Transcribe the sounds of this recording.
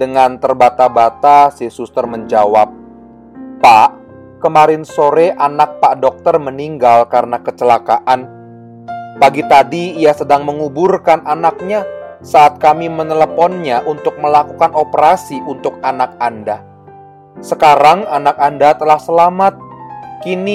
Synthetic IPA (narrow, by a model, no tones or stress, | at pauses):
d̥əŋant̪ərbat̪abat̪asisust̪ərməɲd͡ʒawap̚ː | aʔ | kəmaɾɪnsoɾɛʔanak̚paʔdɔk̚t̪ərməniŋɡalkaɾənakət͡ʃəlakaʔan | paɡit̪adiːjasədaŋməŋuburkananak̚ɲasaʔːt̪̚kamimənələpɔnɲaʔunt̪ʊk̚məlakukanopəɾasiʔunt̪ʊk̚anak̚anda | səkaɾaŋanakandat̪əlahsəlamat̪̚kini